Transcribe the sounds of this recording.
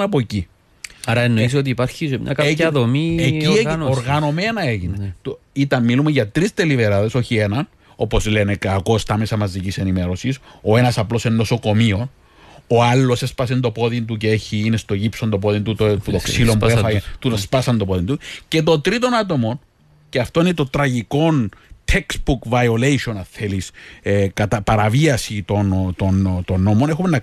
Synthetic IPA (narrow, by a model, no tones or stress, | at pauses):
nɐpoci | ɐɾɐenːois̬iot̪iːpɐɾçismɲɐ̰kɐeɐðomieienoɾɣɐno̞me̞nɐe̞ʝinet̪oit̪ɐmmːilumeʝɐt̪ɾist̪elive̞ɾɐðe̞so̞çie̞nɐn | o̞po̞zle̞ne̞kɐko̞st̪ɐme̞sɐmɐzicise̞nime̞ɾo̞siso̞e̞nɐsɐplo̞senːo̞so̞ko̞mio̞n | o̞ɐlːo̞sespɐsend̪o̞po̞ðint̪uceeçiːne̞st̪o̞ʝipso̞nd̪o̞p̬o̞ðint̪ut̪oput̪okssilo̞mpuefɐt̪ut̪ɐspɐsɐnd̪opoðint̪uce̞t̪o̞nt̪ɾit̪o̞nɐt̪o̞mo̞n | ceɐft̪o̞inet̪o̞t̪ɾɐʝiko̞nt̪ʰeksbukvɐio̞lejʃo̞nɐθe̞lisekɐt̪ɐpɐɾɐviɐsit̪o̞nt̪ont̪o̞nːo̞mo̞ne̞xumenːɐ